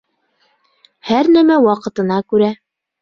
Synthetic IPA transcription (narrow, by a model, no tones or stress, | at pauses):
hæɾnæmæwɑqɤ̆t̪ɤ̆nɑkʉɾæ